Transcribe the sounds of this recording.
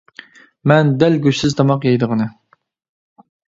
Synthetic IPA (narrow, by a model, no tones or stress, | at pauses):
mɛnd̪ɛlɡʲøʃsɪzt̪ʰɑmɑqjɑjd̪əʁənɨ